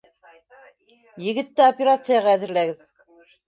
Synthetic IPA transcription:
jɘ̆ɡɘ̆t̪ːɘopʲeɾat̪sɨjaʁɑæðɘ̆ɾlæɡɘð

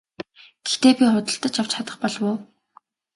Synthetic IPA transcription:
ɡ̥ext̪eːpʲiχʊt̪ə̆ɬt̪ə̆t͡ɕjaw̥t͡ɕχat̪ə̆χpɔɮwʊː

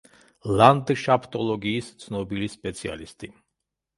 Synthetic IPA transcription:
land̪ʃapʰt̪ʼɔlˠɔɡiːst̪sʰnɔbilispʼɛt̪sʰia̰list̪ʼi

